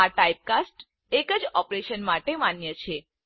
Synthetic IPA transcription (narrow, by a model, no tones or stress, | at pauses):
aʈaip̚kasʈ | ekəd͡ʒɔpɾeʃənmaʈemanjət͡ʃʰe